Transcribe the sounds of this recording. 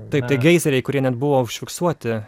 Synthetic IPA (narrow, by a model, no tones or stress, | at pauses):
t̪ɐɪp̚t̪ɐɪɡʲɛɪzʲɛɾʲɛɪkʊɾʲiɛnʲɛt̪̚bʊʋoːʊʃʲfʲɪksuɔt̪ʲɪ